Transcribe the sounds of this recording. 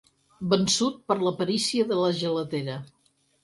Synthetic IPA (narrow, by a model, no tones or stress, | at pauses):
bənsut̪̚pəɾləpəɾisiəðələʒələt̪eɾə